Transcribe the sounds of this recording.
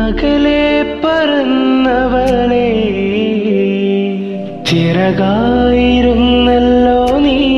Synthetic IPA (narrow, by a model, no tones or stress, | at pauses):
ɐɣɐlepːɐɾunːɐʋɐɭe | t͡ɕiɾɐɣaːjiɾunːɐlːoːni